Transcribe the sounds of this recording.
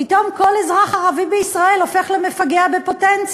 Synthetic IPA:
it̪omkolezʁaχaʁavibeisʁaelofeχlemefaɡeabepotɛnt͡s

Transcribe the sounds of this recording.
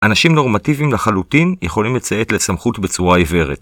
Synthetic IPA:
ʔanaʃimno̞ʁmativimlaχalutinjeχo̞limlet͡sae̞tle̞samχutbe̞t͡suʁaive̞ʁet

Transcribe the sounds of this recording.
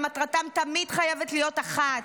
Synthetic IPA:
matʁatamt̪amid̥χajevetlijo̞taχat

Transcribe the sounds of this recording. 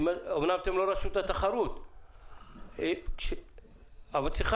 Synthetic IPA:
maomnamat̪emlo̞ɾaʃut̪at̪aχaɾut̪ | ʃe | avalt͡siχa

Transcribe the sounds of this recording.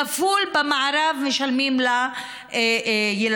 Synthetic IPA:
afulbamaʕaɾavmeʃalmimla | jel

